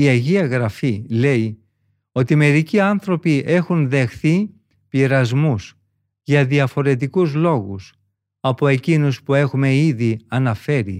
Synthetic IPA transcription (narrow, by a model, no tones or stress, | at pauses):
iɐʝiɐɣɾɐfile̞i | o̞t̪ime̞ɾiciɐnθɾo̞piʔe̞xunðe̞xθi | piɾɐzmus | ʝɐðiɐfo̞ɾe̞t̪̬ikuzlo̞ɣus | ɐpo̞e̞cinuspue̞xume̞iðiɐnɐfe̞ɾḭ